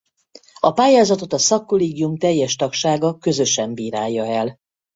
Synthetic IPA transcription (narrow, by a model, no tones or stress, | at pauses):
ɒpaːjaːzɒt̪o̞t̪ɒsɒkːoleːɡijumt̪ɛjːɛʃt̪ɒkʃaːɡɒkø̞zøʃɛmbiːɾaːjːɒɛl